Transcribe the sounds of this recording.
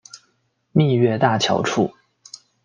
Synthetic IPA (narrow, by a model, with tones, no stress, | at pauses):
mi˥˧ɥɛ˥˧t̪a˥˩t͡ɕʰjɑ̰˧˥ʊʈ͡ʂʰu˥˩